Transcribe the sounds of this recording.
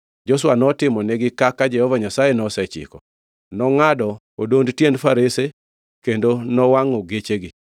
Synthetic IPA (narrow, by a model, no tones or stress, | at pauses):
d͡ʒos̬wanɔtɪmɔneɡɪkakad͡ʒɛhɔvaɲasajenɔsɛt͡ʃɪ̰kɔ | nɔŋadɔ | odondtjendfaɾese | kendonɔwaŋɔɡet͡ʃeɡɪ